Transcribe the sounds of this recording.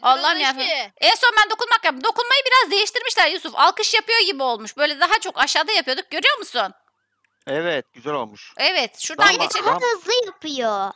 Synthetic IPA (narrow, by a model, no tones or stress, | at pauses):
alːˠajaɛnso̞nbænd̪o̞kunmak̚jab̪ɯmd̪o̞kunmajɯbiɾazd̪e̞jiʃt̪ʰiɾmiʃlʲæɾjusufa̰lˠkɯʃjapɯjo̞ɟibio̞lˠmuʃbø̞jlʲɛd̪aɦat͡ʃʰo̞kaʃaːd̪ajapʰɯjo̞d̪uk̚ɟø̞ɾyjo̞ɾmusun | ɛvɛt̪̚ɟ̥yzælʲo̰lˠmuʃɛvɛt̪ʃuɾd̪aanɟet͡ʃeaɯzlˠɯjapɯjo